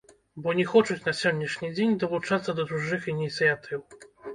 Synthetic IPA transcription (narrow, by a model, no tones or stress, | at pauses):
bɔɲʲɛxɔt͡ʂɨt͡ɕʲnasʲɔwɲʲɛʂɲʲid͡ʑʲeɲʲd̪ɔvut͡ʂat̪sːɐd̪ɔd̪uʐɨxiɲʲit̪sʲjat̪ʰɨw